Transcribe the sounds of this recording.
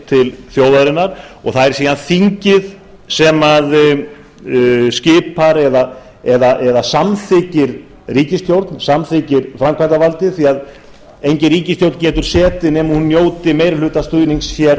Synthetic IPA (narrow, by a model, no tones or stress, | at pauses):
t̪ʰɪlθjoːwðaðɾɪnːaɾ̥ɔɣθaðɛɾ̥siːðanθiɲcɪð | sɛmað | scɪːpaɾɛða | ɛðaʔɛðasamθɪcɪɾ | riːcɪst̪jowɾt̪nsamθɪcɪɾfɾamkʰvajt̪avalt̪ɪθiað | ejɲcɪɾiːcɪst̪jowɾt̪nc̬ɛːt̪ʏɾ̥sɛːt̪ɪnɛmhunːjoːwt̪ɪmeːjɾlʏːht̪ast̪ʏjniŋsjɛɾ